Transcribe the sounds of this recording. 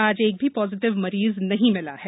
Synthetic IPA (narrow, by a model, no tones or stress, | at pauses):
aːd͡ʒeːk̚bʱipɔːzɪʈɪʋmɐɾiːznɐɦĩmɪla̰hɛː